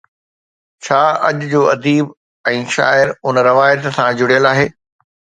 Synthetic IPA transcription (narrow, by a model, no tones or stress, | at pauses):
t͡ɕʰaːɐʄʊd͡ʑoːɐd̪iːb | ɛ̃ːʃa̰ːɪɾʊnɾɪʋaːjət̪sãd͡ʑʊɽijəlaːɦeː